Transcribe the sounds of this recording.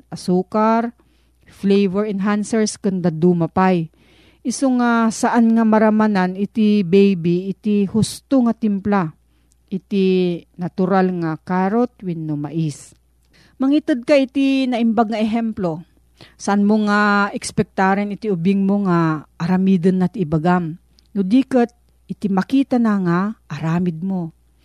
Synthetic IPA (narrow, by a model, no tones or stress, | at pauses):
ʔɐsuːkaɾ | flejvɛɹɛnɦansɛɹskʊnd̪ad̪umapaj | ʔɪsoŋasɐʔanŋɐmɐɾamananɪt̪ɪbɛjbiʔːt̪ihʊst̪oŋat̪ɪmpla | ʔɪt̪inɐt̪ʊɾalŋakaɾot̪̚wɪnːʊma̰ʔis | mɐŋit̪ɨd̪̚kaʔɪt̪inɐʔɪmbaɡ̚ŋɐɛɦɛmplo | saʔanmoŋaɛkspɛk̚t̪aːɾɛnɪt̪iʊbɪŋmoŋaʔːɾɐmiːd̪ənːat̪ɪbaɡam | nʊd̪iːkət̪̚ | ʔɪt̪imɐkiːt̪anaŋaʔɐɾaːmɪd̪̚mo